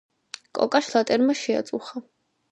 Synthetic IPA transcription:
kʼɔ̰kʼaʃlˠat̪ʼɛɾmaʃɛa̰t̪sʼuχa

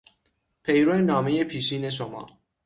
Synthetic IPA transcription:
pʰejɾonɑːmejepʰiːʃiːneʃ̬omɑ̰ː

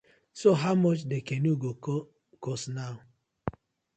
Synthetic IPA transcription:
soɦaʊmɔt͡ʃdekɛnuɡo | kɔsnaʊ

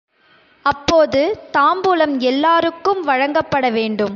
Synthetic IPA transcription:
ɐpːoːðɯt̪aːmbuːlɐmɛlːaːɾɯkːɯmʋɐɻɐŋɡɐpːɐɽɐʋeːɳɖɯm

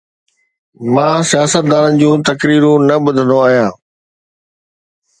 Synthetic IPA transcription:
mãːsijaːsət̪̚d̪aːɾənɪ̆d͡ʑũːt̪ɐkɾiːɾũnɐbʊd̪ʱənd̪oaːɦijãː

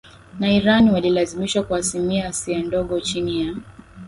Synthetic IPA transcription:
naiɾaniwalilazimiʃwakwaːsimiaːsiandɔɠɔt͡ʃinija

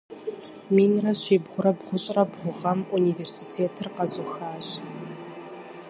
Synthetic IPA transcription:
miːnrɐɕiːbʁʷʊɾɐbʁʷʊɕʼrɐbʁʷʊʁɐmuniːveːrsiːtʰeːtʰɨrqɐzʊxaːɕ

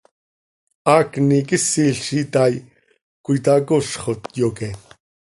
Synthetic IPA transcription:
aːknikɪsiɬʃit̪aːj | kʷuit̪aːkoʃχot̪joːke

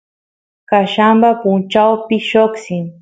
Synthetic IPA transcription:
kaʃambapʊnt͡ʃawpɪʃoksɪŋ

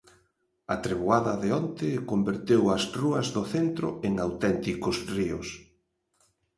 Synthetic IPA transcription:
ɐt̪ɾeβwaðɐðeont̪ɪkombeɾt̪ewɐsruɐzðʊθent̪ɾʊ̰eŋawt̪ɛnt̪ikʊsriʊ̰s

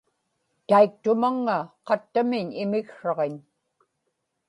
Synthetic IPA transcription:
t̪aik̚t̪ʊmaŋːaqɑt̪ːamɪɲɪmɪkʂɑʁeɲ

